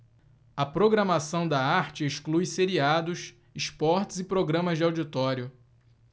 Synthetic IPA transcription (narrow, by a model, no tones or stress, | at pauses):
ɐpɾoɡɾɐmasɐ̃w̃d̪ɐaɾt͡ʃɪiʃklujseɾiad̪ʊs | ispɔɾt͡ʃɪzɪpɾoɡɾɐ̃mɐzd͡ʒɪawd͡ʒit̪ɔɾjʊ